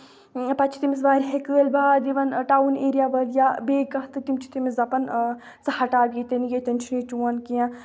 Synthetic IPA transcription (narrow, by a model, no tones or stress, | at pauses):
pɐt͡ʃʰi̥t̪imis̬baːɾɦekəːlbaːd̪iʋɐnʈaːuneːɾijaːbɐːljabeːkɐɦt̪ɨt̪imt͡ʃʰi̥t̪imeszɐpɐn | sɐhɐʈaːbjet̪ɐnɡet̪ɐnt͡ʃʰinit͡ʃuwɐnkijã